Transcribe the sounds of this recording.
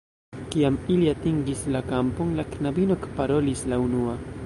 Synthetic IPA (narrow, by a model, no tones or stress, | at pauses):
kiamiliatiŋɡislakamponlaknabino̞kpaɾo̞lislaunua